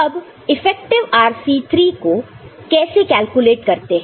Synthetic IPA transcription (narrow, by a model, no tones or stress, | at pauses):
ɐb | ɪfɛːk̚ʈɪʋaːɾsit̪ʰɾiːko | kɛːsekɛːlkuleːʈkɐɾt̪eɦ